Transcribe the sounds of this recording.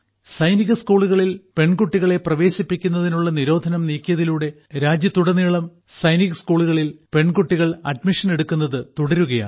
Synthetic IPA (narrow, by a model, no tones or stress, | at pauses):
sɐjniɣɐskuːɭuɣɐɭilpe̞ɳɡuʈːiɣɐɭe̞prɐʋe̞ːɕipːikʲːun̪ːɐðinuɭːɐniɾo̞ːd̪ʱɐnɐmniːkːijɐðiluːɽe̞ | ɾaːd͡ʑjɐt̪uɽɐnːiːɭɐm | sɐjniɣɐskuːɭuɣɐɭilpe̞ɳɡuʈːiɣɐɭɐ̰ɖmiʂɐne̞ɽukːunːɐðɨt̪uɽɐɾuɣɐja̰ː